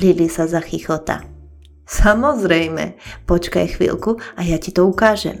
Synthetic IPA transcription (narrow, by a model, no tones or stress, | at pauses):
lilisazaxixɔt̪a̰ | samɔzɾɛjmɛ̰pɔt͡ʃka̰jxʋḭlkuajacit̪ɔukaːʒɛ̰m